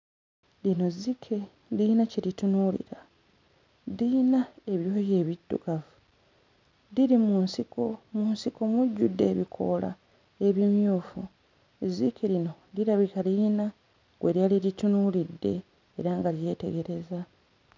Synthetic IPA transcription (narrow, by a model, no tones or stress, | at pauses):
lino̞zikʰe̞ | dinaceɾitunulḭɾa | dinae̞βjoje̞ːβidːṵkavu | diɾimunsiko̞munsiko̞muɟːudːe̞̰ːβikʰo̞̰la̰ | e̞βimjuːfu | zikʰeɾino̞ | diɾaβikalina | ɡweɾjaliɾitunulidːe̞̰ː | ɾaŋɡaɾje̞ːte̞ɡe̞ɾe̞za